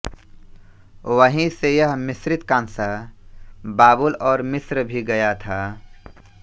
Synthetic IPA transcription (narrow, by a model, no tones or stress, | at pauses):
wəɦĩsejɐɦmɪsɾɪt̪kãːnsa | baːbʊlɔːɾmɪsɾbʱiɡɐjat̪ʰaː